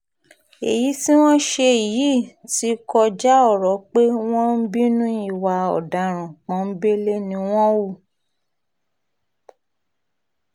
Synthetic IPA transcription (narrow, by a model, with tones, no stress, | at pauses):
ḛ˨ji˨˦ti˦w̃ɔ̃˦ʃe˧i˨ji˨˦˨ti˦kɔ˧d͡ʒa˦ɔ˦˨ɾɔ˨˦k͡pe˦w̃ɔ̃˦n̩˦bi˦nũ˦i˦˨wa˧ɔ̰˨da˨˦ɾ̃ã˨k͡pɔ̃˨˦m̩˦be˦le˦nĩ˧˦w̃ɔ̃˦wu˦˨